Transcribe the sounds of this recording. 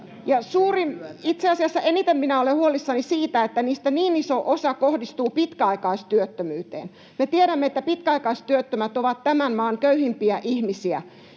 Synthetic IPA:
jɑsuːrimit̪seɑsiɑsːɑʔenit̪emminæolehuolisːɑnisiːt̪æet̪ːæniːst̪æniːnisoʔosɑkohdist̪uːpit̪kæɑikɑist̪yøt̪ːømyːt̪ḛːn | met̪ieɾæmːet̪ːæpit̪̚kæɑikɑist̪yøt̪ːømæt̪oʋɑt̪tæmænmɑːŋkøyhimpiæʔihmisiæ̰

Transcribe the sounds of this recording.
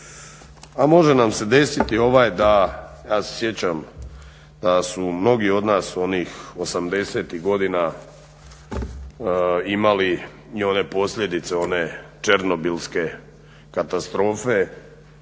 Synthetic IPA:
amo̞ʒe̞namse̞d̪e̞sit̪io̞ʋaːjd̪ajaːse̥sje̞t͡ɕam | d̪̥asumno̞ɡio̞d̪naːso̞niːxo̞samd̪e̞se̞ːt̪iɣɡo̞d̪ina | imali | io̞ne̞po̞sʎʲe̞d̪it̪se̞o̞ne̞t͡ʃe̞ɾno̞bilske̞ | kat̪ast̪ɾo̞ːfe̞

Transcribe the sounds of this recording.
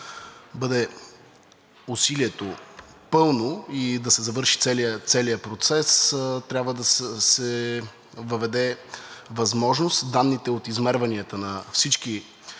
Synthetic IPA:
bɤd̪ɛ | usiliɛt̪o | pɤlˠnoid̪ɐsɛzɐvɤɾʃi̥t̪sɛliət̪sɛliəpɾot̪sɛst̪ɾʲjabvəd̪ɐssɛ | vəvɛd̪ɛvɐzmɔʒnost̪d̪anːit̪ɛot̪izmɛɾvɐniət̪ənɐfsit͡ʃki

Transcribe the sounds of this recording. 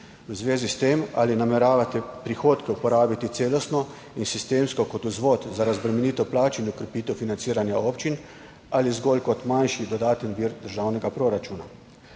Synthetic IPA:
wzʋeːzist̪ema̰linamɛɾaːʋat̪ɛpɾixoːt̪kɛupɔɾaːbit̪it̪seːlɔst̪nɔ | insist̪eːmskɔkɔt̪uzʋoːt̪zaɾazbɾɛmɛniːt̪ɔplaːt͡ʃinɔkɾɛpiːt̪ɛwfinant̪siːɾanjaoːpt͡ʃin | alizɡoːlkɔt̪manʃid̪ɔd̪aːt̪ənʋiːɾd̪əɾʒaːwnɛɡapɾoɾat͡ʃuːna

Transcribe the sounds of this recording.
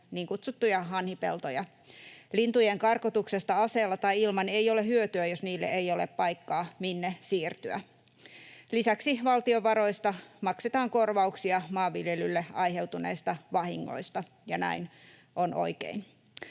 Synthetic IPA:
niːŋkut̪sut̪ːujɑɑnhipḛlt̪ojɑ | lint̪ujeŋkɑrkot̪uksest̪ɑɑseːlːɑt̪ɑiilmɑne̞io̞leɦyøt̪yæjosniːlːḛʔeijo̞leppɑikːɑːminːesiːrt̪yæ̰ | lisæksiʋɑlt̪ioʋɑɾo̞ist̪ɑmɑkset̪ɑːŋko̞rʋɑuksiɑmɑːʋːiljelylːeɑiɦewt̪uneːst̪ɑʋɑhiŋːo̰ist̪ɑ | jɑnæ̰in | ʔonʔo̰ikḛin

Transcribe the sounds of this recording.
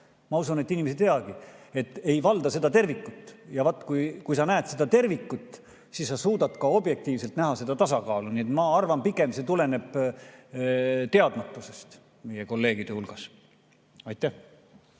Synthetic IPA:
mɑusunet̪ːˑinimesit̪eɑɡ̥ie̞t̪ːˑe̞jvɑld̪̥ɑse̞d̪̥ɑt̪e̞rvikːˑut̪ːˑjɑvɑt̪ːˑkujkujsɑnæːt̪se̞d̪ɑt̪e̞rvikːut̪ːˑ | sissɑsuːd̪ɑt̪kɑo̞bje̞k̚t̪iːvse̞lt̪næɦɑse̞d̪ɑt̪ɑsɑkɑːlunie̞t̪mɑɑrvɑmpiɡˑe̞mse̞t̪ule̞ne̞b̥ | t̪e̞ɑd̪̥mɑt̪ːˑusest̪ | mejeko̞lːe̞ːɡ̥id̪̥e̞hulɡ̥ɑs | ɑjt̪ˑːæh

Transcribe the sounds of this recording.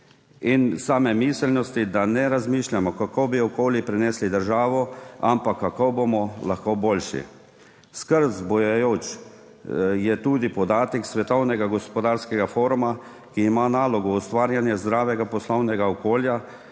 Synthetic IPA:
insaːmɛmiːslnɔst̪id̪anɛɾazmiːʃlʲjamɔkakobiɔkoːljipɾɛnɛːslid̪əɾʒaːʋɔampakːakobomɔlaxkoːboːlʃḭ | skəɾt̪zbɔjajoːt͡ʃ | jɛt̪uːd̪ipɔd̪aːt̪ɛksʋɛt̪ɔwnɛɡaɡɔspɔd̪aːɾskɛɡafoːɾuma | kiːmanaːlɔɡɔːst̪ʋaːɾjanjɛzd̪ɾaːʋɛɡapɔslɔwnɛɡaɔkoːlja

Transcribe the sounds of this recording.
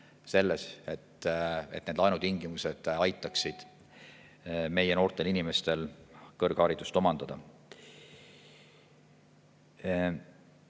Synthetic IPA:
se̞lːese̞t̪ːet̪ːned̪lɑjnut̪iŋɡ̥imuse̞d̪̥ɑjt̪ːˑɑksid̪̥ | me̞jeno̞ːrt̪ˑe̞linime̞st̪e̞lkɤrɡ̥hɑɾid̪̥ust̪o̞mɑnd̪̥ɑd̪̥ɑ

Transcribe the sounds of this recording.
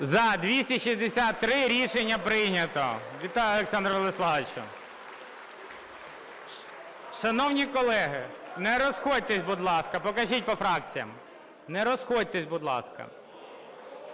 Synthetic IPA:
zɐd̪ʲʋʲisʲtʲiʃizʲd̪esʲat̪ːɾɪɾʲiʃenʲːɐpɾɪnʲɐt̪ɔ̰ʋʲit̪ɑjʊɔlˠeksɑnd̪ɾɔlˠeslˠɑʋet͡ʃʊ̰ | ʃɐnɔwnʲikɔlˠɛɦɪnɛɾɔsxɔd̚ʲt̪ɛsʲbʊd̪lˠɑskɐpɔkɐʒit̚ʲpɔfɾɑk̚t͡sʲijɐ̰m | nɛɾɔsxɔd̚ʲt̪ɛsʲbʊd̪lˠɑ̰skɐ̰

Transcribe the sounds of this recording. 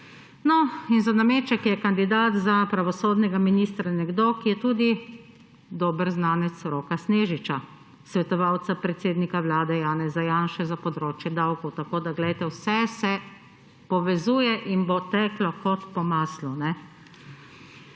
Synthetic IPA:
nɔinzanameːt͡ʃɛkjɛkand̪id̪aːt̪zapɾaʋɔsoːd̪nɛɡaminiːst̪ɾanɛɡd̪oːkijɛt̪uːd̪i | d̪oːbəɾznaːnɛt̪sɾoːkasneːʒit͡ʃa | sʋɛt̪ɔʋawt̪sapɾɛt̪seːd̪nikaʋlaːd̪ɛjaːnɛzajaːnʃɛzapɔd̪ɾoːt͡ʃjɛd̪awkɔwt̪akoːd̪aɡlɛjt̪ɛwsɛsɛ | pɔʋɛzuːjɛʔinbot̪ɛklɔkɔt̪pɔmaːslunɛ

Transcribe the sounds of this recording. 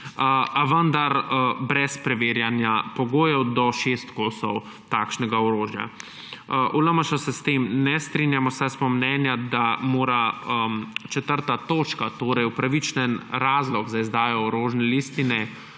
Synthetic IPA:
əaʋənd̪aɾbɾɛspɾɛʋeːɾjanjapɔɡoːjɛwd̪ɔʃeːst̪koːsɔw | t̪aːkʃnɛɡaɔɾoːʒja̰ | ʔuləmaʃɔsɛst̪eːmnɛst̪ɾinjamɔsaspɔmnɛːnjad̪amoːɾaəmt͡ʃɛt̪əɾt̪at̪oːt͡ʃkat̪oːɾɛjwpɾaʋit͡ʃnɛnɾaːzlɔɡzaizd̪aːjɔɔɾoːʒnɛlist̪inɛ

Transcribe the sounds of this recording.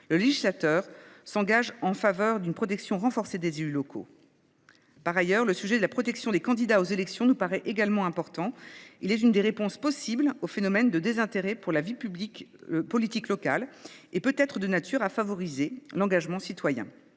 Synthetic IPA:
ləleʒislat̪œːʁsɑ̃ɡaʒɑ̃favœʁd̪ynpχɔt̪ɛksjɔ̃ʁɑ̃fɔʁsed̪ezelylɔkʰo̰ | paʁajœʁləsyʒɛd̪əlapχɔt̪ɛksjɔ̃d̪ekɑ̃d̪id̪aozelɛksjɔ̃nupaʁɛʔeɡalmɑ̃ɛ̃pɔʁt̪ɑ̃ilɛt̪ynd̪eʁepɔ̃spɔsiblofenɔmɛnd̪əd̪ezɛ̃t̪eʁɛpuʁlavipyblikpɔlit̪iklɔka̰lepøt̪ɛt̪χəd̪ənat̪yʁafavɔʁizelɑ̃ɡaʒmɑ̃sit̪wajɛ̰̃

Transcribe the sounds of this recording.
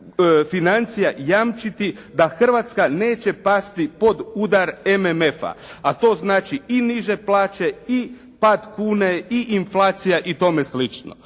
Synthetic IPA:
finant̪sijajamt͡ʃit̪id̪axr̩ʋat̪skaneːt͡ɕe̞past̪ipo̞d̪ud̪aɾememe̞fa̰at̪o̞ːznaːt͡ʃiiniʒe̞plˠaːt͡ʃe̞i | paːd̪kuːne̞iʔinflˠaːt̪sijaʔit̪o̞meslit͡ʃno̰

